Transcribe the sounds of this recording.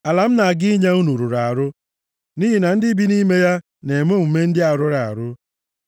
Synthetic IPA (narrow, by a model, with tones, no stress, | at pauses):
a˨la˨m̩˦na˨ɡɪ˦ɲa˦u˦nu˨ɾu˨ɾa˨a˨ɾʊ˦ | ni˦ɦi˨na˨n̩˦dɪ˦bi˦ni˦me˦ja˦ | ne˨mo˦˨m̩˨me˦n̩˦dɪ˦a˨ɾʊ˦ɾa˨a̰˨ɾʊ˦